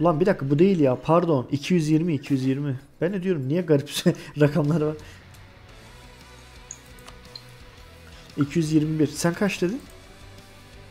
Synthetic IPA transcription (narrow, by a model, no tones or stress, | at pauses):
lˠanbid̪akʰːɯbud̪e̞jilʲjaːpʰaɾd̪o̞nicʰijyzjiɾmiːcʰijyzjiɾmib̥ænd̪ɛd̪ijo̞ɾumnijɛɡaɾipsɾakʰamlˠaɾɯvaɾ | icʰijyzjiɾmibiɾsænkʰat͡ʃd̪ed̪in